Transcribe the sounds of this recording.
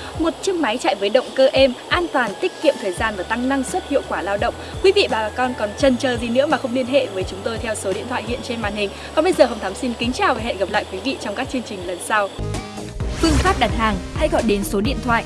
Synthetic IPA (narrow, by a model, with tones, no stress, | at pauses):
mo˨˩t̚t͡ɕɨ˧əŋma˨˦jt͡ɕa̰ː˧˨jvəː˨˦jɗə̰˧˨wŋ͡mkəː˧ʔɛ˧mʔaː˧nt̪waː˨˩nt̪i˦˥k̟kḭ˧˨əmt̪ʰəː˨˩jzaː˧nvaː˨˩t̪a˧ŋna˧ŋswə˦˥t̚hḭ˧ə˨wkwaː˧˩laː˧wɗə̰˧˨wŋ͡mkwi˨˦vḭ˧˨ɓaː˨˩ɓaː˨˩kɔ˧nkɔ˨˩nt͡ɕə˨˩nt͡ɕəː˨˩zi˨˩nɨ̰˧˥əmaː˨˩xə˧wŋ͡mli˧ənɦḛ˧˨vəː˨˦jt͡ɕʊ˨˦ŋ͡mt̪o˧jt̪ʰwso˨˦ɗḭ˧˨ənt̪ʰwa̰ː˧˨hḭ˧˨ənt͡ɕe˧nma̰ː˧˨nhï˨˩ŋ̟kɔ˨˩ɓə˧jzəː˨˩ɦə˧wŋ͡mt̪ʰaː˨˦msi˧nkï˨˦ŋ̟t͡ɕaː˨˩wva˨˩hḛ˧˨nɣa˨˩p̚la̰ː˧˨jkwi˨˦vḭ˧˨t͡ɕɔ˧wŋ͡mkaː˦˥k̚t͡ɕɨ˧əŋt͡ɕï˨˩ŋ̟lə˨˩nsa˧w | fɨ˧əŋfaː˦˥p̚ɗa˨˩t̚haː˨˩ŋha̰˧˥jɣɔ̰˧˨jɗe˨˦nso˨˦ɗḭ˧ənt̪ʰwa̰ː˧˨ʔ